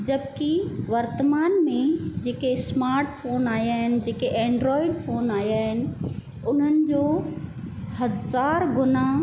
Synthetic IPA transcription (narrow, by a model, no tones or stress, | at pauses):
d͡ʑɐbkiʋɐɾt̪əmaːnmẽd͡ʑeːkesmaːɾʈfoːnaːjaːɦɪnɪ̆d͡ʑeːkeʔɛ̃ːɳɖɾɔːɪɖfoːnaːjaːɦɪnɪ̆ | ʊn̤ənɪ̆d͡ʑoː | hɐzaːɾɡʊnaːɦ